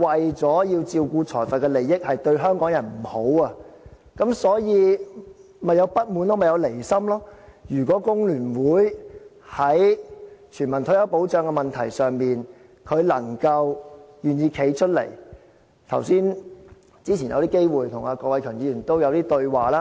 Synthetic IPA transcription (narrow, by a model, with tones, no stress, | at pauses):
wɐ˨jt͡sɔː˨˥jiː˧wt͡siː˧wkuː˧t͡sʰɔː˨˩fɐ˨t̚kɛ˧le˨˩jɪ˥k̚hɐ˨jt̪ɵ˧ɥɦœː˥ŋkɔː˨˥ŋjɐ˨˩nm̩˨˩ho˨˥wɐ˧ | kɐ˨˥msɔː˨˥jiː˨˧ | mɐ˨jɐ˨˧wpɐ˥t̚muː˨˧nloː˥mɐ˨˩jɐ˨˧wle˨˩jsɐ˥mlɔː˥jyː˨˩kʷɔː˨˥kʊ˥ŋlyː˨˩nwuː˨˥j | hɐ˨˥jt͡ʃʰyː˨˩nmɐ˨˩nt̪ʰɵ˨˥jɐ˨˧˥wpo˨˥wt͡ʃœː˨˧ŋkɛ˧mɐ˨nt̪ʰɐ˨˩jsœː˨ŋmiː˨n | kʰɵ˨˧ɥlɐ˨˩ŋkɐ˧wjyː˨˩njiː˧kʰe˨˥jt͡ʃʰɵ˥t̚lḛ˨˩j | t̪ʰɐ̰˨˩wsiː˥n | t͡siː˥t͡sʰi˨˩jɐ˨˧wt̪iː˥ke˥jwuː˨jt̪ʰʊ˨˩ŋaː˧kɔː˧k̚wɐ˨˧jkʰœː˨˩njiː˨˧jyː˨˩nt̪o˥wjɐ˨˧wt̪iː˥t̪ɵ˧ɥwaː˨laː˦˥